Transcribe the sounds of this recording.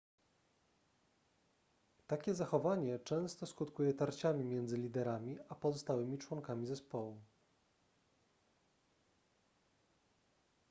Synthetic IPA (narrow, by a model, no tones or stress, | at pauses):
t̪akʲɛzaxɔvaɲɛt͡ʂɛ̃w̃st̪ɔskut̪kujɛt̪aɾt͡ɕamʲimʲjɛnd̪zɘlʲid̪ɛɾamʲiapɔzɔst̪awɘmʲit͡ʂwɔŋkamʲizɛspɔwu